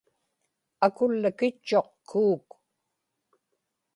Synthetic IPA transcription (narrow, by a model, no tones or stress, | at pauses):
akʊlːəkɪt͡ʃːo̞qkʰuːk